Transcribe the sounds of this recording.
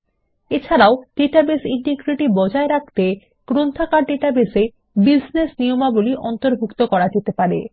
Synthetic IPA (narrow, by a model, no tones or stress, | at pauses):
et͡ɕʰaɾaoɖ̥eʈabesiɳʈeɡɾiʈibɔd͡ʑaeɾak̚ʰt̪e | kɾont̪ʰakaɾɖeʈabese | bid͡ʑnesnijomaboliʔɔnt̪oɾbʱukt̪okɔɾad͡ʑet̪epaɾḛ